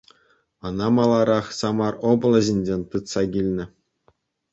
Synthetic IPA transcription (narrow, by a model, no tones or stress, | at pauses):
ɤ̆nɑmɑlˠɑɾɑχsɑmɑrobɤ̆lˠɤ̆ʑʲinʲd͡ʑʲenʲt̪ɯt̪sɑɡʲilʲnʲɘ̆